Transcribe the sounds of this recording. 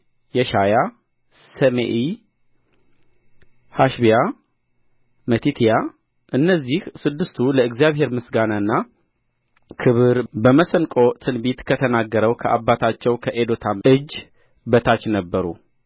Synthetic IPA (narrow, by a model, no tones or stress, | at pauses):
jɛʃaja | səmḛʔi | haʃbija | mət̪ʰit̪ʰija | ʔɨnːəzːihsɨd̪ːɨst̪ʰuləɨɡzjaβhe̞ɾmɨsɡanaɨnːa | kʰɨβɨɾbəməsənkʼo̞t̪ʰɨnbit̪kʰət̪ʰənaɡːəɾəwkʰəʔabːat̪ʰat͡ʃːɛwkʰəʔed̪ot̪ʰaʔɨd͡ʒː | bət̪ʰat͡ʃnəbːəɾṵ